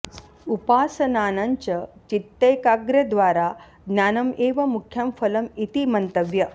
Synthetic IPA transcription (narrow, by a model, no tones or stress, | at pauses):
upaːsɐnanaɲt͡ɕət͡ɕit̪ːəjkaɡɾəd̪ʋaɾa | ɡ̪nʲjanɐmeʋɐmukʰːjəmfɐlɐmit̪imənt̪əʋjɐ